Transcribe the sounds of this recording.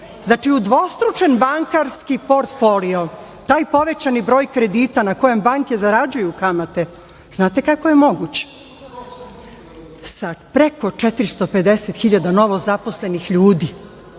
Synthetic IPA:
znaːt͡ʃiud̪ʋo̞st̪ɾut͡ʃenbaŋkaɾskipo̞ɾt̪folio | t̪aːjpo̞ʋe̞t͡ɕanibɾo̞ːjkɾe̞d̪iːt̪anako̞je̞mbaŋke̞zaɾad͡ʑujukamat̪e | znaːt̪e̞kakojemo̞ɡut͡ɕe̥ | sapɾe̞ko̞t͡ʃet̪iɾist̪o̞pe̞d̪e̞set̪xiʎad̪ano̞ʋo̞zapo̞sle̞nixʎuːd̪i

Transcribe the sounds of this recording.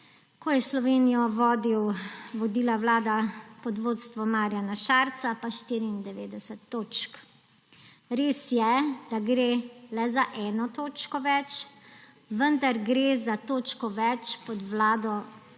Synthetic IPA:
kɔjɛslɔʋeːnijɔʋɔːd̪iwʋɔd̪iːlawlaːd̪apɔd̪ʋoːt̪st̪ʋɔmaːɾjanaʃaɾt̪sapaʃt̪iːɾiːnd̪ɛʋeːd̪ɛsɛt̪ːoːt͡ʃk | ɾeːsjɛd̪̥aɡɾelɛzaʔɛːnɔt̪oːt͡ʃkɔʋɛt͡ʃ | ʋənd̪aɾɡɾeːzat̪oːt͡ʃkɔʋɛt͡ʃpɔd̪ʋlaːd̪ɔ

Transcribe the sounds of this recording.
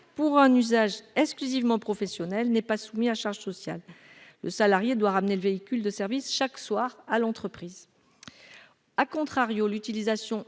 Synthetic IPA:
puʁɛ̃nyzaʒɛksklyzivmɑ̃pχɔfɛsjɔnɛlnɛpasumiaʃaʁʒsɔsja̰lː | ə̰salaʁjed̪waʁamneləveikʲyld̪əsɛʁvisʃakswaʁalɑ̃t̪χəpχiːz | akɔ̃t̪χaʁjolyt̪ilizasjɔ̃

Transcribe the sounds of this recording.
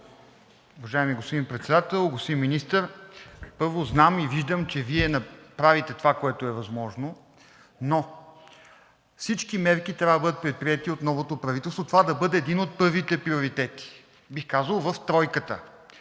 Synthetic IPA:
uvɐʒaɛmiɡospod̪inpɾɛt̪sɛd̪at̪ɛlˠɡost̪inminist̪əɾpɤɾvoznamiviʒd̪əmt͡ʃɛviɛnɐpɾavit̪ɛt̪ovakoɛt̪oɛvɐzmɔʒno | no | fsit͡ʃkimɛɾkit̪ɾʲavəd̪bɤd̪ət̪pɾɛt̪̚pɾʲiɛt̪iot̪nɔvot̪opɾɐvit̪ɛlˠst̪vot̪ovad̪ɐbɤd̪ɛːd̪inot̪̚pɤɾvit̪ɛpɾioɾit̪ɛt̪i̥ | bixkazəlˠvəft̪ɾɔjkət̪ə̰

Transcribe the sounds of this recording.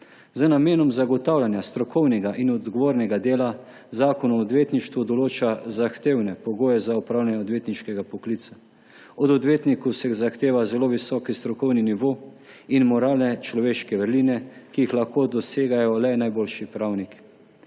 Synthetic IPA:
zənameːnɔmzaɡɔt̪aːwljanjast̪ɾɔkɔwnɛɡaʔinɔd̪ɡɔʋoːɾnɛɡad̪eːla | zaːkɔnɔːd̪ʋeːt̪niʃt̪ʋud̪ɔloːt͡ʃazaxt̪eːwnɛpɔɡoːjɛzaupɾaːwljanɛɔd̪ʋeːt̪niʃkɛɡapɔkliːt̪sa | ɔd̪ɔd̪ʋeːt̪nikusɛzaxt̪eːʋazɛloːʋisɔːkist̪ɾɔkɔwniniʋo | inmɔɾaːlnɛt͡ʃlɔʋeːʃkɛʋəɾliːnɛkijixlaxkoːd̪ɔseːɡajɔlɛnajboːlʃipɾaːwnik

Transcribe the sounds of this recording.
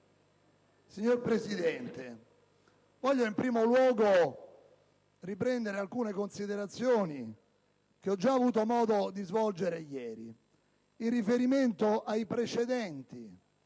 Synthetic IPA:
siɲːorpɾesid̪ɛnt̪e | vɔʎːoimpɾiːmolwɔːɡo | ripɾɛnd̪eɾealkuːnekonsid̪eɾat̪sːjoːni | k̟eɔd͡ʒːaːvuːt̪omɔːd̪od̪izvɔld͡ʒeɾejɛːɾḭ | inrːifeɾiment̪oʔajpɾet͡ʃed̪ɛnt̪i

